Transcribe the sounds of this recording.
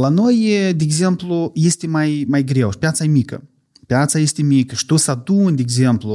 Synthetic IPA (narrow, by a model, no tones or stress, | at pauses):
lano̞jd̪eeɡze̞mpluje̞st̪emajmajɡɾewʃi̥pjat̪sajemikə̰ | pjat̪saje̞st̪emikəʃi̥t̪usad̪unʲd̪eeɡzemplu